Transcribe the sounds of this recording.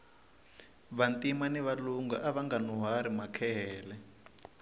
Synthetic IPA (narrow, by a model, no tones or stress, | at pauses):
βantimanɛβaluŋɡaʔaβaŋɡanuɦaɾimakʰɛɦɛːlɛ